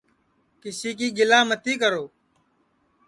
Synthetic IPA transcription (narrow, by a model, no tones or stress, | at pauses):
kɪsiːk̬iːɡɪlaːmət̪iːkəɾoː